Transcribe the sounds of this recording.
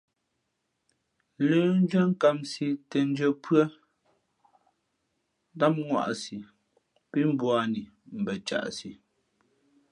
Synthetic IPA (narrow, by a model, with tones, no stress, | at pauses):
ləː˨˦n̩˦d͡ʒə˦ŋ̩˦ka˦msi˨tɛ˨n˦d͡ʒə˨pɰə˦ | da˦m̚ŋwa̰˦˨ʔsi˨ | pi˦m̩˦bwa˨ni˨ | m̩˨bɛ˨t͡ʃa̰˨ʔsi˨